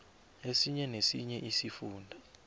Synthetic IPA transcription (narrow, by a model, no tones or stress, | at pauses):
esiɲɛnesiɲɛʔisifuːndʱa